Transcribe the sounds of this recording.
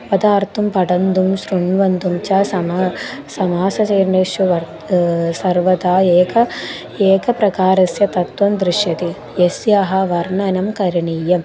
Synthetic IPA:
ʋɐd̪aːɾt̪ʰumpɐʈɐnd̪umʃɾuɳʋɐnd̪umt͡ʃaːsɐmsɐmaːsɐt͡ʃɐjɾɳeʃjuʋɐɾ | sɐɾʋɐd̪aːeːkʰɐ | eːkɐpɾɐkaːɾɐsjɐt̪ɐt̪ʋɐmd̪ɾiʃjɐt̪i | jesjaːɦɐ̆ʋɐɾɳɐnɐmkɐɾiɳiːjɐm

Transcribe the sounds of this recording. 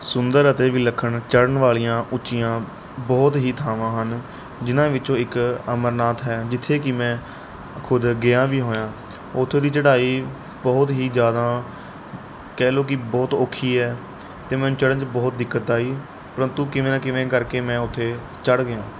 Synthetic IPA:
sʊnd̪əɾət̪eːʋiːləkʰːəɳt͡ʃəɽəɳʋaːlijãːʔʊt͡ʃɪjãː | bɔːt̪ɦiːt̪ʰaːʋãːɦən | d͡ʒɪnãːʋɪt͡ʃõːɪkəməɾnaːt̪ɦɛːd͡ʒɪt̪ʰːeːkɪmɛ̃ː | kʰʊd̪ɡɪjãːʋiːɦoːjãː | ʊt̪ʰːeːd̪iːt͡ʃəɽaːiː | bɔːt̪ɦiːd͡ʒjaːd̪ãː | kɛːloːk̬ɪbɔːt̪oːkʰːiːɛː | t̪eːmɛ̃ːnũːt͡ʃəɽə̃nt͡ʃbɔːt̪̚d̪ɪkːət̪̚aːiː | pəɾənt̪ũːkɪʋẽːnːkɪʋẽːkəɾkeːmɛ̃ːʊt̪ʰːeː | t͡ʃəɽɡɪjãː

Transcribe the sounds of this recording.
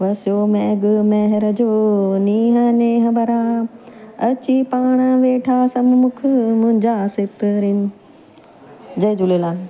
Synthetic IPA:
ʋɐsjoːmɛɡmeɦɪɾɐd͡ʑoːniːɦɐneːɦɐ̃bɐɾã | ɐt͡ɕipaːɽ̃aʋeːʈʰaːsɐmmʊkʰmʊ̃ɦɪ̃ɲd͡ʑaːsɪpɾin | d͡ʑɐd͡ʑuleːlaːn

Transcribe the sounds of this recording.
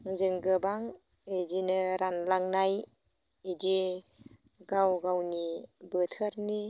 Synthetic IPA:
ŋzɯŋɡɯbaŋ | edinɯɾanlaŋnaj | edi | ɡawɡawnibɯtʰɯɾni

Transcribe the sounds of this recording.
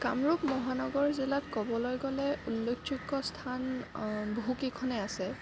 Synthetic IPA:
kamɹupmɔɦanɔɡɔɹzilatkɔbɔlojɡɔlɛulːokʰt͡ʃukːɔstʰanbɦukikʰɔnɛasɛ

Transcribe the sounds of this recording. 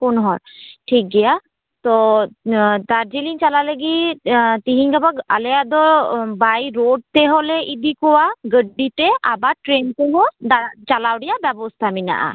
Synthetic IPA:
kunɦɔɹʈʰik̚ɡija | t̪ɔ | t̪aɹd͡ʒiliŋt͡ʃalaləɡit̪iɦiɲkabaalɛad̪ɔbajɹod̚t̪ɛɦɔlɛʔid̪ikɔwaɡəɖitɛabaʈɹenteɦɔdat͡ʃalawdijabɛbɔst̪ʰamina̰ʔa̰

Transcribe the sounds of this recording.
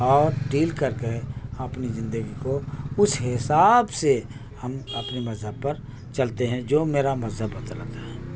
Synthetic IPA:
ɔːɾɖiːlkɐɾkeɐpnizɪ̃nd̪əɡikoʊsɦɪsaːbse | hɐmɐpnimɐzɦəb̚pɐɾ | t͡ʃɐlt̪eɦɛ̃d͡ʒoːmeːɾamɐzɦəbːət̪lə̰t̪aɦɛː

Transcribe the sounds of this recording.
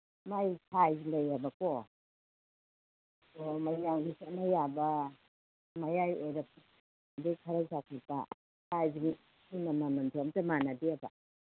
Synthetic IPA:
majkʰajzilajabakɔ | kɔmajjaŋɡisanajaba | majajeɾap̚ | dikʰaɾasak̚ʰipa | kʰajziŋ | inamamantʰomtamanadiaba

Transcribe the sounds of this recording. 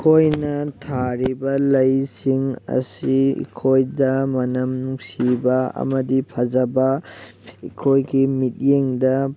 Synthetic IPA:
kʰojnɐtʰaɾibɐlɐjsiŋɐ̰siḭkʰojdɐmɐnɐmnuŋsibɐɐ̰mɐdipʰɐzɐbɐ | ikʰojɡimit̚jeŋdɐ

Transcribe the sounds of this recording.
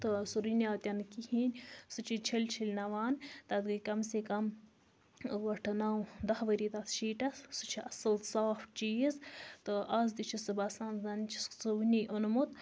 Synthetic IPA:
t̪ɨsuɾinʲjaːt̪ʲjɐnkihiːnʲsɨt͡ʃʰit͡ʃʰilʲt͡ʃʰilʲnɐʋaːnt̪ɐt̪ɡɨkɐmsekɐm | ʋɐʈʰɐnawd̪ɐhʋɐɾit̪ɐt̪ʃiːʈɐssut͡ʃʰiɐsɨlsaːft͡ʃijizt̪ɨʔaːz̬d̪it͡ʃʰisɨbɐsaːnzɐnt͡ʃʰi̥ssɨʋnʲiʔonmut̪

